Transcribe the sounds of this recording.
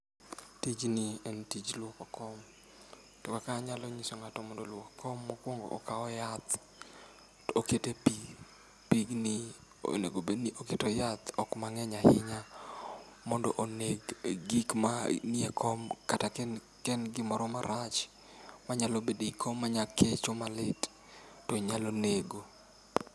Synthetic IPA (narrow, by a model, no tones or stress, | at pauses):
tid͡ʒnientid͡ʒlwokɔkɔm | tokakaɲaloɲisoŋatɔmɔndolwokkʰɔmːɔkwoŋɡo̰ʔɔ̰kaɔjat̪ | oketepi | piɡni | o̰nḛɡobeoketojat̪ɔkmaŋɛɲahɪɲa | mɔndɔʔoneɡɡikmaniekʰɔmkatak | kɛnɡɪmɔɾɔmaɾat͡ʃ | maɲalobedikʰomːaɲakʰet͡ʃomalɪt | toiɲaloneɡo